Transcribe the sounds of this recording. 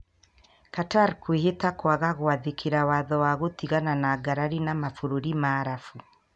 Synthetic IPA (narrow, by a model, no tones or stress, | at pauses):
kataɾkweɦetakwaɣaɣoaðekʰeɾawaðɔwaɣotiɣananaɡaɾaɾinamafoɾoɾimaːɾafu